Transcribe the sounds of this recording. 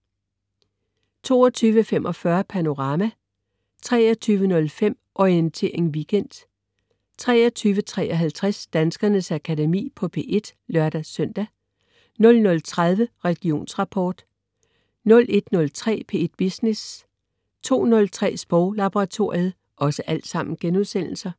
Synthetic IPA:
t͡sʰo̝̰ːɒt͡sʰyːʋəfem̰ʔɒ̽fɶɐpʰæno̝ʁɑ̈mæ | t͡sʰʁɛ̰ːɐt͡sʰyːʋənɔ̽lfem̰ʔɒient͡sʰe̝ɐ̰eŋʋiɡ̥en̰d̥ | t͡sʰʁɛːɐt͡sʰyːʋət͡sʰʁɛːʔɒ̽ɦælt͡sʰʁɛsd̥ænsɡ̥ɐnəsækʰædemḭːpʰɒ̽pʰe̝ʔe̝d̥lɶɐd̥æsœn̰d̥æ | nɔ̽lnɔ̽lt͡sʰʁað̞ˠʋəʁɛɡ̥io̝̰ːnsʁɑ̈pʰɒ̰ːd̥ | nɔ̽lʔe̝d̥nɔ̽lt͡sʰʁɛ̰ːpʰeːe̝d̥̚b̥isnes | t͡sʰo̝̰ːnɔ̽lt͡sʰʁɛ̰ːsb̥ɔʊlɑb̥oʁɑ̈t͡sʰo̝ɐ̰ið̩ˠ | ʔɒ̽səʔæl̰d̥sɑ̈m̰n̩ɡ̥enuðˠsen̰l̩sɐ

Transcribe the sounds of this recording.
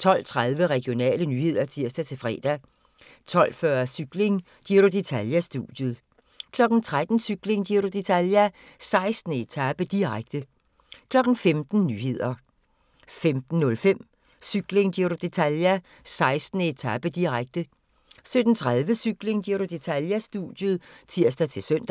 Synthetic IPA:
t͡sʰɒ̽l̰t͡sʰʁaðˠʋəʁɛɡ̥jo̝nɛ̰ːlənyhe̝ð̞̰ˠɐt͡sʰiɐ̰sd̥æt͡sʰe̝lfʁɛ̰ːd̥æ | t͡sʰɒ̽l̰fɶɐsyɡ̥le̝ŋ | d̥iɐɾod̥e̝t͡sʰæljæsd̥ṵd̥jəð̩ˠ | kʰlɒ̽ɡ̥n̩t͡sʰʁad̥n̩syɡ̥le̝ŋd̥iɐɾud̥e̝t͡sʰæljæ | sɑ̈ɪsd̥n̩e̝t͡sʰæb̥əd̥iʁaɡ̥̚d̥ə | kʰlɒ̽ɡ̥n̩femd̥n̩nyːhe̝ð̞̰ˠɐ | femd̥n̩ːɔ̽lfem̰ | syɡ̥leŋd̥iɐɾud̥e̝t͡sʰæljæ | sɑ̈ɪsd̥n̩əe̝t͡sʰæb̥əd̥iʁaɡ̥̚d̥ə | sød̥n̩t͡sʰʁað̞ˠʋəsyɡ̥le̝ŋd̥iɐɾud̥e̝t͡sʰæljæsd̥ṵd̥jəð̩ˠt͡sʰiɐ̰sd̥æt͡sʰe̝lsøn̰d̥

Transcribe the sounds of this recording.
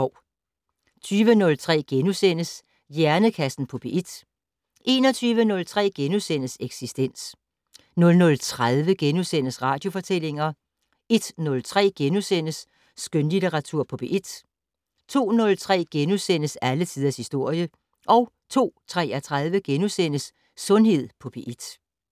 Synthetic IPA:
ɒ | t͡sʰyːʋənɔ̽lt͡sʰʁɛ̰ːɡ̥enusen̰əs | jæɐnəkʰæsn̩pʰɒ̽b̥e̝ʔid̥ | ʔe̝ːnɒ̽t͡sʰyːʋənɔ̽lt͡sʰʁɛ̰ːɡ̥enusen̰əseɡ̥sisd̥en̰s | nɔ̽lnɔ̽lt͡sʰʁað̞ˠʋəɡ̥enusen̰əsʁɑ̈ːd̥jo̝fɒ̽t͡sʰel̰e̝ŋɐ | e̝d̥nɔ̽lt͡sʰʁɛ̰ːɡ̥enusen̰əsː | ɡ̥ønlidʰeʁɑ̈t͡sʰuɐ̰pʰɒ̽pʰeʔid̥ | t͡sʰo̝̰ːnɔ̽lt͡sʰʁɛ̰ːɡ̥enusen̰əsælət͡sʰið̞̰ˠɐshisd̥o̝ɐ̰jə | ʔɒ̽ʊ | t͡sʰo̝̰ːt͡sʰʁɛːɐt͡sʰʁaðˠʋəɡ̥enusenəsː | ɔ̽nhe̝ð̞̰ˠpʰɒ̽pʰeʔid̥

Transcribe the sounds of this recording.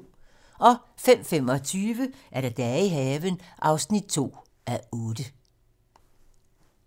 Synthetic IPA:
ʔɒ̽fem̰fem̰ɒ̽t͡sʰyːʋəʔæɐɾ̥æd̥ɛiɦɛːʋənʔɑ̈ʊsnid̥̚t͡sʰo̝̰ː | æɔːd̥ə

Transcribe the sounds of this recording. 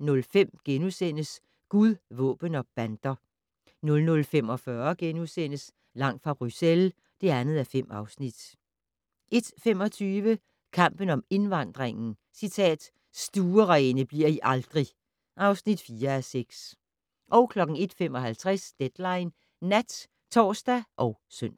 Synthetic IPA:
nɔ̽lfem̰ɡ̥enusen̰əs | ɡ̥uðˠʋɔ̰̽ːb̥ənɒ̽b̥ænd̥ɐ | nɔ̽lnɔ̽lfem̰ɒ̽fɶɐɡ̥enusen̰əs | lɑ̈ŋ̰fʁɑ̈b̥ʁysel | d̥e̝ænð̞̩ˠæfem̰ɑ̈ʊsnid̥ | ʔe̝d̥fem̰ɒ̽t͡sʰyːʋə | kʰɑ̈m̰b̥ən̩ɒ̽me̝nʋɑ̈n̰d̥ʁeŋn̩ | sit͡sʰɛ̰ːd̥ | sd̥uːɐʁɛɪnəb̥liɐiʔɑ̈ld̥ʁi | ʔɑ̈ʊsnid̥fiːɐæseɡ̥s | ʔɒʊkʰlɒ̽ɡ̥n̩e̝d̥femɒ̽ɦælt͡sʰʁɛsd̥ed̥lɑ̈ɪnː | æd̥ | t͡sʰɒ̰ːsd̥æʔɒ̽ʊsøn̰

